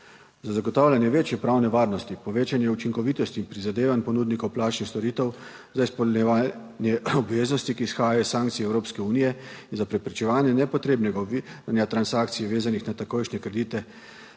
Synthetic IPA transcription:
zazaɡoɔt̪aːwlʲanjɛʋeːt͡ʃjɛpɾawnɛʋaːɾnɔst̪ipɔʋeːt͡ʃanjɛut͡ʃiŋkɔʋiːt̪ɔst̪iːnpɾizad̪eːʋanpɔnud̪nikowplaːt͡ʃnixst̪ɔɾiːt̪ɛw | zaispɔlɛa | njɛɔbʋeːznɔst̪ikiːsxaːjajɔissaːŋk̚t̪siɛwɾoːpskɛuːnijɛinzapɾɛpɾɛt͡ʃɛʋaːnjɛnɛpɔt̪ɾeːbnɛɡanjat̪ɾansaːkt̪sijɛʋeːzanixnat̪akojʃnɛkɾɛd̪iːt̪ɛ

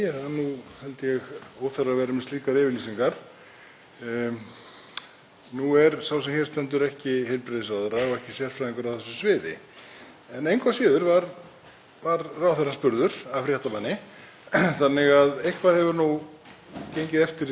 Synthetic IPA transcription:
θanuhɛlt̪ɪjɛɣoːwθɛravɛːɾʏmɪst̪liːkaɾɪːvɪliːsiŋkaɾ̥ | nuɛɾsawsɛmçɛ̥st̪ɛnt̪̬ʏɾɛhcɪhejlpɾeðɪsaðɛɾaɔɛhcɪsjɛr̥fɾaðiŋkʏɾawθɛsːʏsvɪːðɪ̰ | ɛnejŋkʰvasɪːðʏɾvaɾ | vaɾraːwθɛɾaspʏɾðʏɾ̥afɾjɛht̪amanːɪ | θanːɪɣaðejhkʰvaðhɛvʏɾnu | cejɲcɪðɛft̪ɪɾ

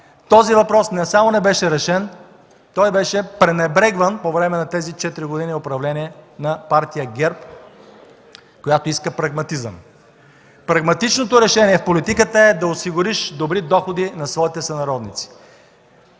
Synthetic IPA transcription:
t̪ɔzivɐpɾɔsnɛsamonɛbɛʃɛɾɛʃɛn | t̪ɔjbɛʃɛpɾɛnɛbɾɛɡvənpovɾɛmɛnɐt̪ɛzit͡ʃɛt̪ɾiɡod̪iniopɾɐvlɛniɛnɐpaɾt̪ijəɡɛɾp | kojat̪oiskəpɾɐɡmɐt̪izə̰m | pɾɐɡmɐt̪it͡ʃnot̪oɾɛʃɛniɛfpolit̪ikət̪əɛd̪ɐosiɡʊɾiʃd̪obɾid̪ɔxod̪inɐsvɔit̪ɛsɐnɐɾɔd̪nḭt̪si̥

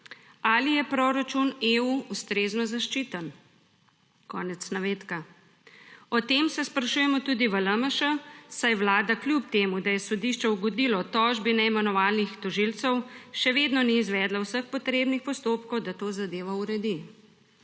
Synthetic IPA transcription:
alijɛpɾoɾat͡ʃuneuust̪ɾeːznɔzaʃt͡ʃiːt̪ən | kɔːnɛt̪snaʋeːt̪ka | ɔt̪eːmsɛspɾaʃuːjɛmɔt̪uːd̪iʋələməʃəsajʋlaːd̪aklʲjupt̪eːmud̪ajɛsɔd̪iʃt͡ʃɛwɡɔd̪iːlɔt̪ɔːʒbinɛimɛnɔʋaːlnixt̪ɔʒilt̪sɛwʃɛʋeːd̪nɔniːzʋɛːd̪lawsəxpɔt̪ɾeːbnixpɔst̪oːpkɔwd̪at̪oːzad̪eːʋauɾɛd̪i

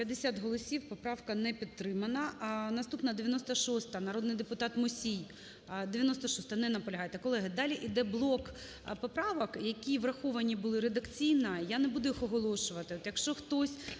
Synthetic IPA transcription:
pʲjɐd̪ːesʲat̪ɦɔlˠɔsʲiwpɔpɾɑwkɐnɛpʲit̪̚ːɾɪmɐnɐnɐst̪upnɐd̪eʋʲjɐnɔst̪ɐʃɔst̪ɐnɐɾɔd̪nɪjd̪epʊt̪ɑt̪mʊsʲij | d̪eʋʲjɐnɔst̪ɐʃɔst̪ɐnɛnɐpɔlʲɐɦɑjet̪ɛkɔlˠɛɦɐd̪ɑlʲiʔid̪ɛblˠɔk | pɔpɾɑʋɐkjɐkʲiʋrɐxɔʋɐnʲibʊlˠɪɾed̪ɐkt͡sʲijnɐjanɛbud̪ʊjixɔɦɔlˠɔʃʊʋɐt̪ɪɔt̪jɐkʃt͡ʃɔxt̪ɔsʲ

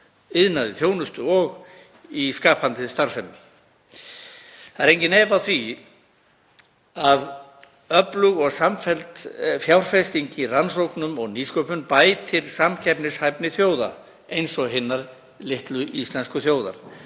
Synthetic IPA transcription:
ɪðnaðɪθjoːwnʏst̪ʏɔɣ | iskaːpʰhant̪ɪðst̪aɾ̥sfɛmːɪ | θaðɪɾejɲcɪnɛːvaθvi | að | œplʏɣɔɣsamfɛlt̪fjawɾ̥fɛst̪iɲciransowknʏmɔɣniːskœpʏnpaːjt̪ʰːɪlsamcʰɛpnɪshajpnɪθjoːwða̰ | ejnsɔɣɦɪnːaɾ | lɪht̪lʏʔist̪lɛnskʏθjoːwða̰ɾ̥

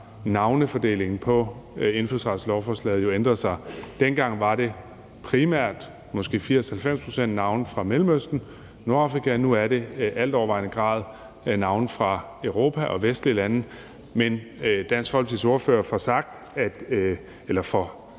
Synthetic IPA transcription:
nɑ̈ʊnəfɒ̽d̥e̝̰ːle̝ŋn̩pʰɒ̽e̝nfyðˠsʁɑ̈ːd̥slɒʊfɒːslɛ̰ːð̩jo̝end̥ʁɐsɑ̈ɪd̥enɡ̥ɑ̈ŋ̰ʋɑ̈ɾe̝ | pʰʁimæɐ̰d̥ | mɒ̽sɡ̥e̝̰ːfiɐ̰shælfem̰spʰʁo̝̥sen̰d̥nɑ̈ʊnfʁɑ̈melmøsd̥n̩ | no̝ɐɑ̈fʁikʰænuæɐɾe̝ʔæl̰d̥ɒ̰ʋɑ̈ɪ̰nəɡ̥ʁɑ̰̈ːðˠ | nɑ̈ʊnfʁɑ̈ | øʊʁo̝̰ːpʰæʔɒ̽ʋesd̥liəlæn̩ | mend̥æn̰sɡ̥fɒ̽l̰ɡ̥siso̝ɐfø̰ːɐfɒsɑ̈ɡ̥̚d̥ | æd̥ | elɐfɒ̽

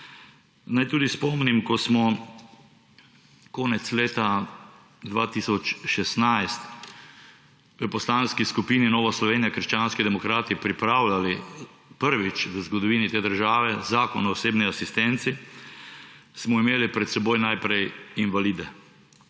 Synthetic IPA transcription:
najt̪uːd̪ispɔmnimkɔsmɔ | kɔːnɛt̪sleːt̪a | d̪ʋaːt̪isɔt͡ʃʃɛsnajst̪ | ʋəpɔslaːnskiskupiːninɔːʋaslɔʋeːnijakəɾʃt͡ʃaːnskid̪ɛmɔkɾaːt̪ipɾipɾaːwlali | pəɾʋit͡ʃʋəzɡɔd̪ɔʋiːnit̪eːd̪əɾʒaːʋɛzaːkɔnɔːseːbniasist̪ɛnt̪si | smɔimeːlipɾɛt̪sɛboːjnajpɾɛjinʋaliːd̪ɛ

